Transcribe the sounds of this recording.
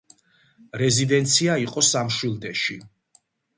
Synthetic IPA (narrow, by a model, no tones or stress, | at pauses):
ɾɛzid̪ɛnt̪sʰiaiqʼɔsamʃwilˠd̪ɛʃi